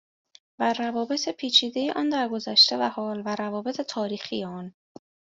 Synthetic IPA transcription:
værævɒːbe̞t̪ʰe̞pʰiːt͡ʃʰiːd̪e̞jeʔɒːnd̪æɾɡo̞zæʃt̪ʰe̞væhɒːlvæɾævɒːbe̞t̪ʰe̞t̪ʰɒːɾiːxijeɒːn

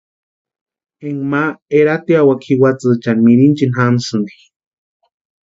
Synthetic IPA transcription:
eŋmaeɾat̪iawakʰiwat͡sɨt͡ʃanmiɾint͡ʃinhamsɨnd̪i̥

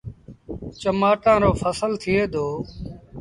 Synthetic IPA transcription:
t͡ʃəmaːʈãːɾoːfʰəsəlt̪ʰɪeːd̪oː

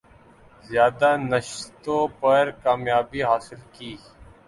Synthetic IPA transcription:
zjaːd̪anəʃt̪õpɐɾkaːmjaːbiɦaːsɪlkiː

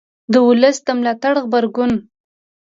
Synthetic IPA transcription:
d̪əwʊləsd̪əmlɑt̪aɽɣbaɾɡʊn

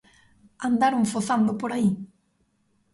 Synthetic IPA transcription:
and̪aɾoŋfoθand̪ʊpoɾai

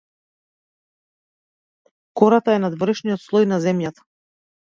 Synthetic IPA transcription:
kɔɾat̪aɛnad̪vɔɾɛʃnijɔt̪slˠɔjnazɛmjat̪ḁ

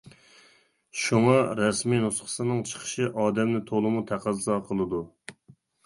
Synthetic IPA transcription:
ʃuŋɑɾɛsminusχʰə̥sɨnɨŋt͡ʃʰə̥qʰə̥ʃɨʔɑːd̪ɛmnɪt̪ʰolˠɨmut̪ʰæqæzzɑqʰəlˠɨd̪u

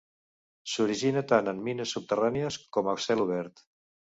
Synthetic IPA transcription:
suɾiʒinət̪anəmːinəsːup̚t̪əraniəskɔməsɛluβ̞ɛɾt̪

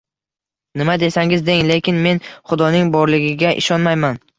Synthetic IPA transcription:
nɪmad̪e̞saŋɪzd̪e̞ŋle̞kʲɪnme̞nχʊd̪ɒnɪŋbɒɾlɪɡʲɪɡʲaʔɪ̰ʃɒnmajman

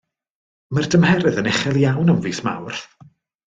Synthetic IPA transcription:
mərdəmhɛɾɨðənɛχɛlˠjawnəwnviːsma̰wrθ

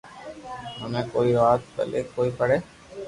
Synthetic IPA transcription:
ɦəmẽːkoːiʋaːt̪̚bə̰leːkoːipəɽeː

